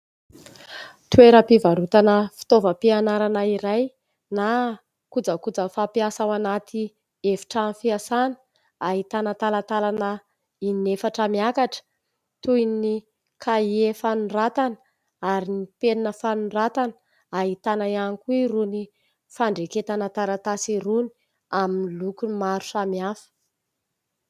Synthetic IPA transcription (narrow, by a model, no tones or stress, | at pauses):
t̪ueɾəpivaɾut̪anəfi̥t̪ovəpianaɾanaiɾaj | na | kud͡zəkud͡zəfapiasawanat̪i | efi̥ʈ͡ʂamifiasanə̥ | aɦit̪anət̪alat̪alanə | inefaʈ͡ʂəmiakaʈ͡ʂə̥ | t̪ujni | kʰaiefanurat̪an | aɾinipeninəfanurat̪anə̥ | aɦit̪anaianikuiruni | faɳɖ͡ʐeket̪anat̪aɾat̪asiɾuni̥ | aminilukumaɾu̥samiafə̥